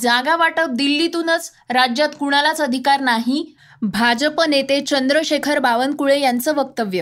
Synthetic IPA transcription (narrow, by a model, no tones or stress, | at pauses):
d͡zaɡaʋaʈəp̚d̪ilːit̪unət͡s | ɾad͡ʑjat̪kuɽ̃alat͡səd̪ʱikaɾnaɦi | bʱad͡ʑəpənet̪et͡ɕənd̪ɾəɕekʰəɾbaʋənkuɭejant͡səʋək̚t̪əʋjə